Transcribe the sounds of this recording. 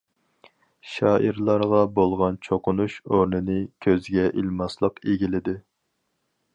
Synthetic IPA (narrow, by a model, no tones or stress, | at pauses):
ʃɑːʔiɾlˠɑɾʁɑbolˠʁɑnt͡ʃʰoqʊnuʃoɾnɨnɨkʲʰøzɡʲɛʔilmɑslˠəqeɡʲilɪd̪ɪ